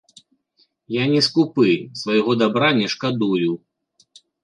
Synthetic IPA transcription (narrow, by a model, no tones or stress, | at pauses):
janʲɛskupɨsvajɣɔd̪abɾanʲɛʂkad̪uju